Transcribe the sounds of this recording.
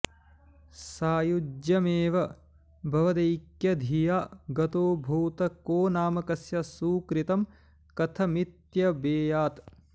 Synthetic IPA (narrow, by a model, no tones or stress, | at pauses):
saːjud͡ʒjɐmeːʋɐ | bʱɐʋɐd̪ɐjkjɐd̪ʱijaːɡɐt̪oːbʱɐwt̪ɐkoːnaːmɐkɐsjɐsuːkɾit̪ɐm | kɐt̪ʰɐmit̪jɐbeːjaːt̪